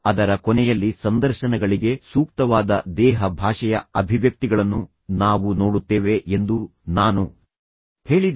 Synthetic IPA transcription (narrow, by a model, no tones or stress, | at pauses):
ɐd̪ɐɾɐkɔnɛjɐlːisɐnd̪ɐɾʃɐnɛɡɐɭiɡe̞suːkt̪ɐʋaːd̪ɐd̪ɛːɦɐbʱaːʂɐjɐɐbʱiʋjɐk̚t̪iɡɐɭɐnːu | naːʋuno̞ːɽut̪ːeːʋe̞end̪unaːnu | he̞ːɭid̪